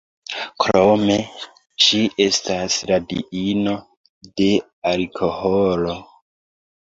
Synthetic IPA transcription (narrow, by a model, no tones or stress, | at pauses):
kɾome̞ | ʃiʔe̞stasɾadḭino̞ | de̞ | alkʰo̞holo̞